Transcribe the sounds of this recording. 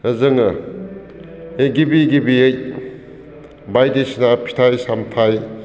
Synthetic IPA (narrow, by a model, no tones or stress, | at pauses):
ɐzɐŋɐ | eɡibiɡibiej | bajdisinapʰi̥tʰajsamtʰaj